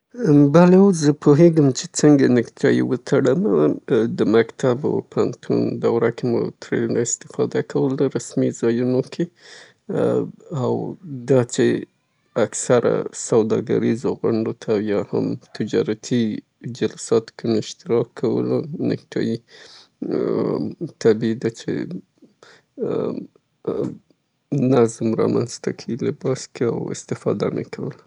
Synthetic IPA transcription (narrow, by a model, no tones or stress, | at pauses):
balewozəpʰoɦeɡəmt͡ʃet͡səŋɡanɪkt̪ʰɑjiwət̪ʰaɽəmad̪əmakt̪ʰaba̰pʰant̪ʰṵnd̪awɾakemo̰t̪ɾḛlnaɪst̪ɪ̥fɑ̰d̪akʰawəld̪aɾasmizɑjunokʰe | awd̪ɑt͡ʃe | aksaɾa̰sawd̪ɑɡa̰ɾizoɣʊɳɖot̪ʰajɑha̰mt̪ɪd͡ʒɑɾat̪ʰi | d͡ʒalsɑt̪kemɪʃt̪ɪɾɑkʰːawə̰lonɪ̰k̚ʈʰɑ̰ji | t̪ʰabid̪at͡ʃḛ | nazmɾɑ̰manzt̪akʰilɪbɑskea̰wɪ̰st̪ɪfɑ̰d̪ana̰kʰawəla